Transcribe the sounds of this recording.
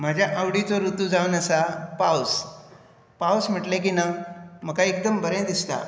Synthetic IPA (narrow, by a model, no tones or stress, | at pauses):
m̤ad͡ʑʱjaʔawɽit͡soɾut̪ud͡zaʋunəsapaws | pawsm̤əʈlek̬inam̤əkaek̚d̪əmbəɾẽd̪ist̪a̰